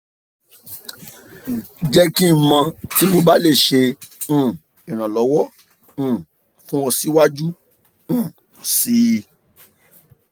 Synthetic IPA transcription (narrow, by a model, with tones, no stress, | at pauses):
d͡ʒɛ˦kĩ˦mã˧ti˦mo˧ba˦le˦˨ʃẽ˧˦˨ | i˨ɾ̃ã˨lɔ˨˦wɔ̃˦˨ | fũ˦wɔ̃˧si˦wa˦d͡ʒũ˦˨ | si˦˧